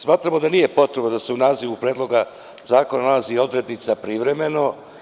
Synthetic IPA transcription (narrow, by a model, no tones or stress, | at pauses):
smaːt̪ɾamo̞d̪aniːje̞po̞t̪ɾebnod̪ase̞unaːziʋupɾeːd̪lo̞ɡa | zaːko̞nanalazio̞d̪ɾe̞d̪nit̪sapɾiʋɾe̞me̞no̞